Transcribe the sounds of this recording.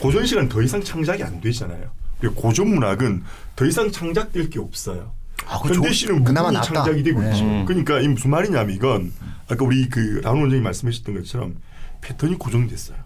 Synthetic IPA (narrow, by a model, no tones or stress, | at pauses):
kod͡ʑʌnɕʰiɡanɯntʌisʰaŋt͡ɕʰaŋd͡ʑaɡia̰ndwe̞d͡ʑana̰jokɯɾekakod͡ʑomːuɾaɡɯn | tʌisʰaŋt͡ɕʰaŋd͡ʑak̚t͈weɭk͈eʌp̚s͈ʌjo | kɯʌndeɕʰinɯnmɯnat͡ɕʰaŋd͡ʑaɡidwe̞ɡoit͡ɕ͈iokɯɲik͈aimsʰumaɾinamiɡʌnak͈auɾikɯɾaonond͡ʑʌŋimaɭs͈ɯmɦaɕʰʌ̥t͈nɡʌt͡ɕʰʌɾʌ̰m | pʰe̞tʰɯɲikod͡ʑoŋdwe̞s͈ʌjo